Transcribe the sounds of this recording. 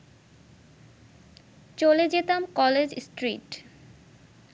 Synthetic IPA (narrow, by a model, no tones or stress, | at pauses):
t͡ɕoled͡ʑet̪amkɔled͡ʑsʈɾiʈ